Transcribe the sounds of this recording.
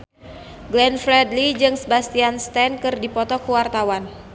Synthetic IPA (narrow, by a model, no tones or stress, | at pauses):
ɡlɛnfɾɛdlid͡ʒɨŋsəbast̪ianst̪ɛnkɨrdipɔt̪ɔkuwart̪awan